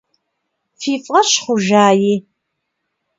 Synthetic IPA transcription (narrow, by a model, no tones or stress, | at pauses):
fiːfʼʁɐɕχʷʊʒaːjiː